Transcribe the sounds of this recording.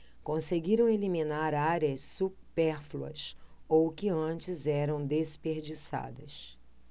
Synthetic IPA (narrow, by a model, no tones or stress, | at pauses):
kõseɡiɾɐ̃w̃elimĩnaɾaɾjɐssupɛɾfluɐ̰sowkɪɐ̃t͡ʃɪzɛɾɐ̃w̃d̪espeɾd͡ʒisa̰d̪ɐs